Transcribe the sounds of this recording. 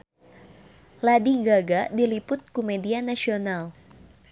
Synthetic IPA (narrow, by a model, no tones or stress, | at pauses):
ladiɡaɡadilipʊt̪̚kumɛdianasional